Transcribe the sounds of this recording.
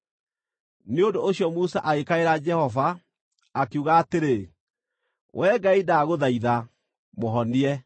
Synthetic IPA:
neondoːɕjɔmusaʔaɣekaeɾad͡ʒɛhɔva | akeuɣaːteɾe | wʔɛːɡaidaɣoðaiða | moɦɔniɛ

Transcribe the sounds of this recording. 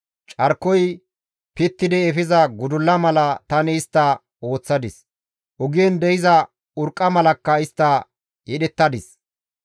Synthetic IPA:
t͡ʃʼɐɾkːɔj | pɪt̪ːɪd̪ɛːfɪzɐɡʊd̪ʊlːɐmɐlɐt̪ɐnɪːst̪ːɐ | o̞ːt͡sːɐd̪ɪs | ʔʊɡɪjɛnd̪ɛjɪzɐ | ʊɾkʼːɐmɐlɐkːɐɪst̪ːɐ | jɛɗɛt̪ːɐd̪ɪs

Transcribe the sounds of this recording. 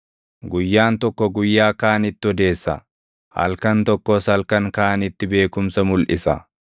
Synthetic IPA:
ɡʊjːaːnt̪ɔkːɔɡʊjːaːkaːnɪt̪ːɪɔd̪e̞ːsːɐ̰ | hɐ̰lkɐnt̪ɔkːoːsɐlkɐŋkaːnɪt̪ːɪbe̞ːkʊmsɐmʊlʔɪsɐ̰

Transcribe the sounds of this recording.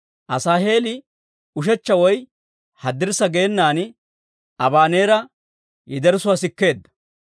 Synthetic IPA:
ʔɐsaːɦe̞ːlɪ | ʊʃ̬ɛt͡ʃːɐwɔj | hɐd̪ːɪɾsɐɡeːnːaːn | ɐbaːne̞ːɾɐ | jɪd̪ɛɾsʊwaːsɪkːe̞ːd̪ːɐ̥

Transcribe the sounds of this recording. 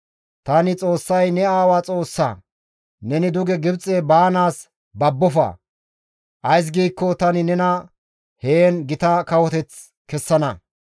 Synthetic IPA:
t̪ɐnɪt͡sʼo̞ːsːɐjnɛaːwaːt͡sʼo̞ːsːɐ̰ | nɛnɪd̪ʊɡɛɡɪbt͡sʼːebaːnaːs | bɐbːɔfɐ̰ | ʔɐjs̬ɡiːkːɔt̪ɐnɪnɛnɐ | heːnɡɪt̪ɐkɐwɔt̪ɛt͡s | kɛsːɐnɐ

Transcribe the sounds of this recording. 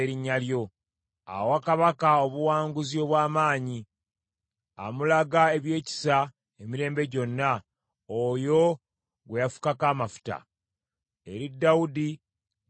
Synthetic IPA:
ɾiɲːaljo̞ | a̰wakaβakao̞βuwaːŋɡuzio̞ːβwaːmaːɲi | a̰mulaɡae̞βje̞ːci̥sa | emiɾe̞ːmbe̞ɟo̞nːa | ojo̞ | ɡwe̞jafu̥kakaːmafu̥ta̰ | e̞ɾidːawudi

